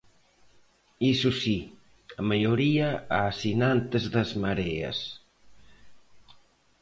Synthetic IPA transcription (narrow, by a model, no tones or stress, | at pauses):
isusi | amaʎoɾiaasinant̪ezðəzmaɾeɐ̰s